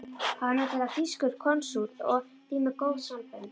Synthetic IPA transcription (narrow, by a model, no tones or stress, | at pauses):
hanːɛt̪ɛt̪afiskʏɾ̥kʰɔnsuɾt̪ɔ̰ɣ | t̪iːmɪkoːwðsampɛn